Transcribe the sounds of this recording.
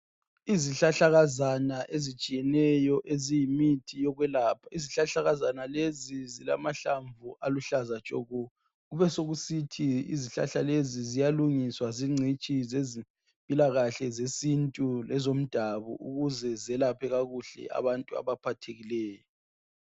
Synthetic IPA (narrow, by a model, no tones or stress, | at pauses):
iziɬaɬaɣazanaʔezit͡ʃʼijɛnɛjɔʔezijimitʰijɔɣwɛlaːpʰaiziɬaɬaɣazanalezizila̰maɬaɱvuʔaluɬazat͡ʃʼɔ̰ɣɔ | ɣuβɛsoɣusitʰiḭziɬa̰ɬalezizijaluŋiswaziŋ͡ǀʱit͡ʃʼizezi | mpʼilaɣaɬɛzesintʼulɛzom̩d̥ʱaβɔ̰ʔṵɣuzɛzɛlapʰɛɣaɣuɬɛ̰a̰βantʼua̰βapʰatʰeɣilɛːjɔ